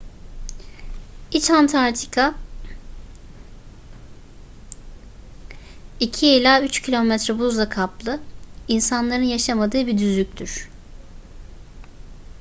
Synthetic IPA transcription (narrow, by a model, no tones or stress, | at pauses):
it͡ʃant̪ʰaɾt̪ʰi̥kʰa | icʰielʲaːyt͡ʃcʰilʲo̞mɛt̪ɾɛbuzˠakʰaplˠɯinsanlˠaɾɯnjaʃamad̪ɯːbid̪yzyc̚ʲt̪ʰyɾ̥